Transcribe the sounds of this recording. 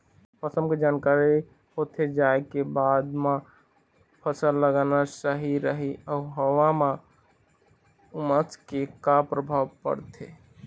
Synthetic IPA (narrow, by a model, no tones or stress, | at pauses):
pʰəsəmked͡ʒankaɾi | hot̪ʰed͡ʒaekebad̪mã | pʰəsəlːəɡanasəɦiɾəɦiəʊɦəwamã | umət̪kekapɾəbʱawpə̰ɾt̪ʰe